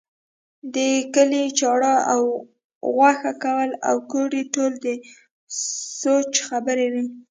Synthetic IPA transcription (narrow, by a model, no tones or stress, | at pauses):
d̪əkəlit͡ʃɑɽɑaw | ɣwaxakawəla̰wkoɽiʈold̪ə | sot͡ʃxabəɾewi